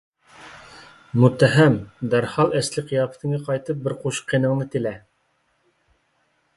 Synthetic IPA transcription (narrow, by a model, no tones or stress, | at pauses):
mʊt̪ːæɦæmd̪æɾhɑlˠæslɘqijɑp̆t̪ɘ̆ŋæqɑjt̪ɤp̚bɘɾquɕqːĭnɤ̆ɴnɤt̪ɘ̆læ